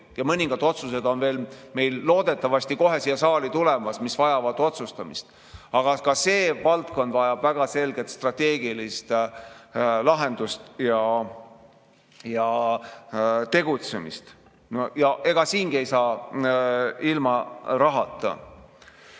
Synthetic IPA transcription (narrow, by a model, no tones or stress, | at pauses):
jɑmɤnʲiŋɡ̥ɑd̪̥o̞t̪suse̞d̪̥o̞nve̞ːlme̞jlːo̞ːd̪̥e̞t̪ːˑɑvɑsʲt̪iko̞ɦe̞sijɑsɑːlit̪ule̞mɑsmisvɑjɑvɑd̪o̞t̪sust̪ɑmist̪ | ɑɡ̥ɑkɑse̞ːvɑlt̪ko̞nd̪̥vɑjɑb̥væɡ̥ɑse̞lɡe̞t̪st̪rɑt̪e̞ːɡilist̪ | lɑɦe̞nd̪̥ust̪jɑ | jɑ | t̪e̞ɡ̥ut̪se̞mḭst̪ | nojɑʔe̞ɡ̥ɑsiːnɡie̞jsɑː | ilmɑɾɑɦɑt̪ˑːɑ̰